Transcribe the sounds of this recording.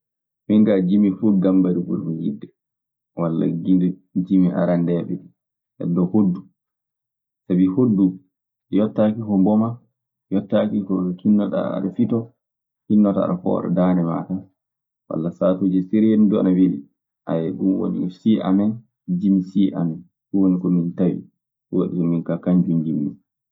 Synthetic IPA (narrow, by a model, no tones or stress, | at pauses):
miŋɡad͡ʒimifuɡambaɾibṵɾmuɡidːɛ | walːa̰ɡidd͡ʒimiʔa̰ɾandɛːɓɛɗi | ɛ̰dːɔhodːu | sabihodːu | jɔtːakikɔmbɔma | jɔtːakikɔkinːɔɗa̰a̰ɗafitɔ | kinːɔtaa̰ɗakɔ̰ːɾɔ̰daːnɛma̰ta | wa̰lːasaːtud͡ʒɛsiɾjendɔa̰nawiɗḭ | ʔa̰jɛɡuwo̰nḭkɔsiʔa̰mɛn | d͡ʒimisiʔa̰mɛn | uwonikɔmintawḭ | wa̰ɗikɔminkakaɲd͡ʒund͡ʒimːi